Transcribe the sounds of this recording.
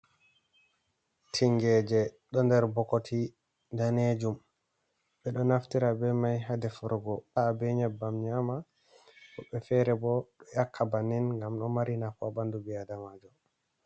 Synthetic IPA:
tʰiŋɡɛd͡ʒɛɗɔndɛɾbɔkotʰi | ndaned͡ʒum | ɓɛɗɔnaftiɾabɛmajɦadɛfɔɾɡɔabɛɲabːamɲama | kɔɓɛfɛɾɛbɔɗɔjakʰːabanɛnŋɡamɗɔmaɾinafabandubɛadamad͡ʒɔ

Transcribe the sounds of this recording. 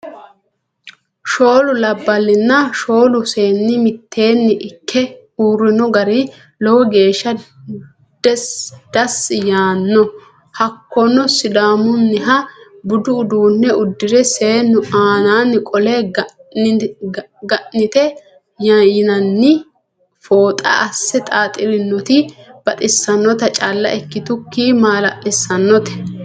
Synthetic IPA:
ʃo̞ːlʊlɐbːɐlːɪnːɐʃo̞ːlʊse̞ːnːɪmɪt̪ʰːe̞ːnːɪʔɪkʰːɛ | uːɾːɪnɔɡɐɾi | lɔwɔɡe̞ːʃːɐ | d̪̥ɛsd̪̥ɐsɪjaːnːɔ | hɐkːɔnɔsɪd̪aːmʊnːɪɦɐbʊd̪ʊːd̪uːnːɛʊd̪ːɪɾɛseːnʊʔaːnaːnːɪkʼɔle | ɡɐʔnɪt̪ɛ | jajɪnɐnːɪ | foːt̪ʼɐ̰ʔɐsːɛt̪ʼaːt̪ʼɪɾɪnːɔt̪ɪb̥ɐt̪ʼɪsːɐnːɔt̪ɐt͡ʃʼaːlːɐ̰ʔɛkːɪt̪ʊkːiːmaːlɐʔɪsːɐnːɔt̪ɛ̥

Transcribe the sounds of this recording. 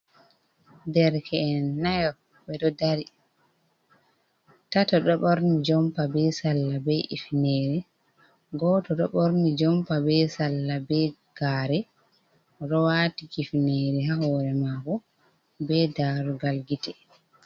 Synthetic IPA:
dɛɾkʰɛːnːajɔ | bɛɗɔdaɾi | tatɔɗɔɓɔɾnid͡ʒɔmpabɛsalːabɛʔḭfineːɾɛ | ɡɔtɔɗɔɓɔɾnid͡ʒɔmpabɛsalːabɛɡ̥aːɾɛ | ɔɗɔwatikifineɾɛɦahɔɾɛmakɔ | bɛdaɾuɡalɡitɛ

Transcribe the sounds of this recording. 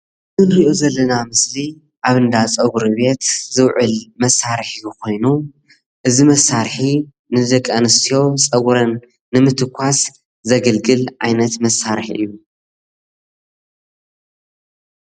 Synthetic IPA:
zɨnɾiʔozɐlːɐnamɨsli | ʔaβɨnd̪at͡sʼɐɡɾuβe̞t̪zɨwʕɨlmɐsːaɾħikʰo̞jnu | ʔɨzimɐsaɾħi | nɨd̪ɐkʼːanɨst̪ʰijo̞t͡sʼɐɡɾɐnː | ɨmɨt̪ʰɨkʷʰːas | zɐɡɐlɡɨlʕa̰jnɐt̪mɐsːaɾħḭʔɨjːu

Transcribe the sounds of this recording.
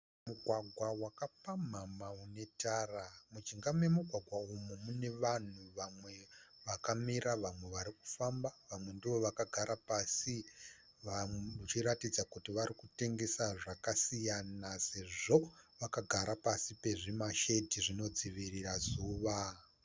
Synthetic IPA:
muɡʱwaɡʱwawakapamamaune̞taːramut͡ʃiŋɡamwemuɡʱwaɡʱwaumumune̞ʋan̤uʋamwe̞ʋakamiɾaʋamwe̞ʋaɾiku̥fambaʋamwe̞ndiʋo̞ʋakaɡʱaɾapasi | ʋaut͡ʃiɾatid͡zakutiʋaɾikute̞ŋɡe̞saʐakasijanase̞ʐo̞ʋakaɡʱaɾapasipe̞ʐimaʃe̞tiʐino̞d͡ziʋirirazuːʋa

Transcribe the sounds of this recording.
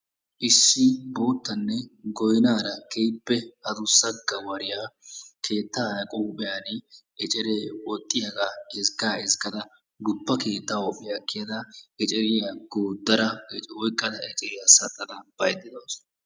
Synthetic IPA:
ʔɪsːɪbo̞ːt̪ːɐnːɛɡɔjnaːɾɐkʰɛjbːɛhɐd̪ʊsːɐɡːɐwɐɾɪjakʰe̞ːt̪ːaːkʼuːbɛjanɪ | ɛt͡ʃʼɛɾewɔt̪ʼːɪjɐɡaɛzɡaːɪzɡɐd̪ɐ | d̪ʊbːɐke̞ːt̪ːawɔpʼːɪjɐkːɪjɐd̪ɐɛt͡ʃʼɛɾɪjɐɡ̥oːd̪ːɐɾɐɛt͡ʃʼwɔjkʼːɐd̪ɐɛt͡ʃʼɛɾɪjasɐt̪ʼːɐd̪ɐb̥ɐjd̪ɪd̪ɐs

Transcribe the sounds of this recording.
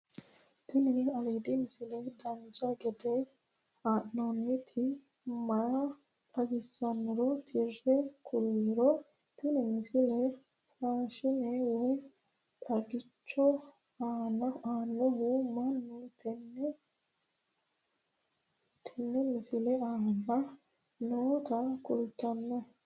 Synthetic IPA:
t̪ʰɪnɛɐliːd̪ɪmɪsɪlɛd̪ɐnd͡ʒɐɡɛd̪ɛ | aːʔnɔnːɪt̪ʰɪ | mɐjɐ | t̪ʼɐɡɪsːɐnːɔɾɔt̪ʰɪrɛkʰʊɾiɾɔ | t̪ɪnɪmɪsɪlɛ | ɾaːʃɪnɛwɔj | tʼɐɡɪt͡ʃːɔ | aːnɐaːnːɔɦʊmɐnːʊt̪ɛnːɛ | t̪ʰɛnːɛmɪsɪlɛaːnːɐ | noːt̪ɐkʊlt̪ːɐnːɔ

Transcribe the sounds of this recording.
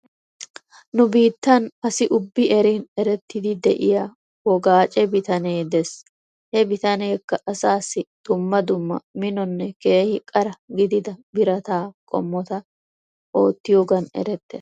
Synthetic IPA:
nʊbiːt̪ːɐnɐsɪʔʊbːɪʔɛɾiːnɛɾɛt̪ːɪd̪ɪd̪ɛʔɪjaː | wɔɡaːt͡ʃʼɛbɪt̪ɐneːd̪ɛs | hɛbɪt̪ɐneːkːɐʔɐsaːsːɪd̪̥ʊmːɐd̪ʊmːɐ̰mɪnɔnːɛke̞ːhɪkʼɐɾɐɡɪd̪ɪd̪ɐbɪɾɐt̪aːkʼɔ̰mːɔt̪ɐ | ʔo̞ːt̪ːɪjoːɡɐnɛ̰ɾɛt̪ːḛːs

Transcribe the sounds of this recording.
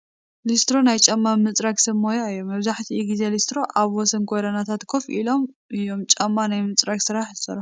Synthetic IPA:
list̪ɾo̞najt͡ʃʼɐmːamɨt͡sʼɾakʼsɐmːojajːomɐβzaħt̪ʰiiɡize̞list̪ɾo̞ʔaβwɔsɐnkʰoɾɐnat̪ʰat̪kʰofʔilo̞m | ʔɨjːo̞mt͡ʃʼamːanajmɨt͡sʼɾakʼsɨɾaħzɨsɐ̰ɾɐ

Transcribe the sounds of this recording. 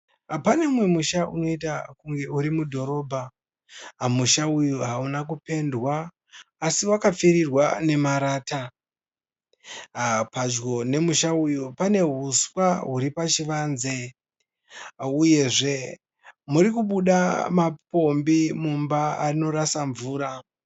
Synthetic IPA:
apane̞mwe̞muʃauno̞itakuŋɡe̞uɾimudʱo̞ɾo̞ːbʱa | muʃaujuɦaunak̬upe̞ndwaː | siwakap͡fiɾirwa̰ne̞maɾaːta | pad͡ʒɡo̞ne̞muʃaujupane̞ɦuswaɦuɾipat͡ʃiʋaːnze̞ | uje̞ʐe̞ | muɾikuɓuɗamapo̞mbimumbaano̞rasaɱvuːɾa

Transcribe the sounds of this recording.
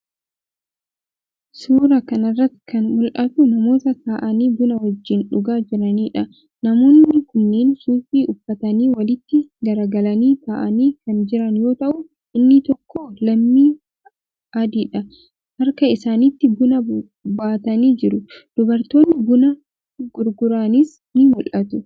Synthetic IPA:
suːɾɐkɐnɐrːɐt̪ːkɐnmʊlʔɐt̪ʊnɐmo̞ːt̪ɐsaːʔɐniːbʊnɐhɔd͡ʒːɪnᶑʊɡaːd͡ʒɪɾɐniːᶑɐ | nɐmo̞ːnːɪkʊnːeːnsuːfiːʔʊfːɐt̪ɐniːwɐlɪt̪ːɪɡɐɾɐɡɐlɐniːk̪aːʔɐniːkɐnd͡ʒɪɾɐnjo̞ːt̪ɐʔʊ | ʔɪnːɪt̪ɔkʰːoːlɐmːiː | ʔɐd̪iːᶑɐ | hɐɾkɐɪsaːniːt̪ːɪbʊnɐ | baːt̪ɐniːd͡ʒɪɾʊd̪̥ʊbɐɾt̪o̞ːnːɪbʊnɐ | ɡʊɾɡʊɾaːnɪs | nɪmʊlʔɐt̪ʊ

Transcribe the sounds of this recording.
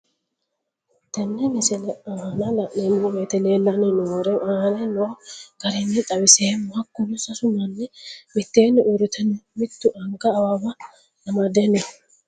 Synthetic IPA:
t̪ɛnːɛmɪsɛlɛahnɐlɐʔnenuwet̪ɛneːnːɐnɛnoːɾɛanɛnoːkɐɾɛnːɛt̪ʼɐwɪseːmɐkːʊlʊsɐsʊmɐnːɛmɪt̪ːeːnɛʔʊɾɪt̪ʰɛnmɪt̪ːʊʔɐŋkɐːwaːbɐ | nɐmɐd̪enɛ

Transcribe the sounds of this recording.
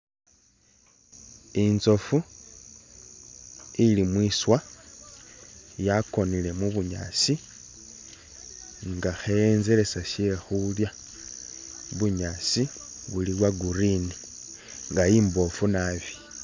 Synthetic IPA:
inzo̞fu | ilimwiːswa | jako̞nile̞muβuɲa̰ːt͡si | ŋɡaxejenze̞ɾe̞saʃe̞xulja | βuɲaːt͡siβulilwaɡuɾini | ŋɡajiːmbo̞funaβi̥

